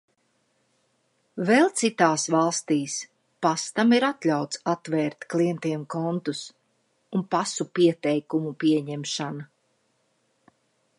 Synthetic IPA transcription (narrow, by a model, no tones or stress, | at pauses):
vɛlˠt̪sit̪aːsvalˠst̪iːs | past̪amiɾat̪lʲawt̪sat̪vɛːɾt̪klˠiɛnt̪iɛmkɔnt̪us | unpasupiɛt̪ɛjkumupiɛɲɛmʃana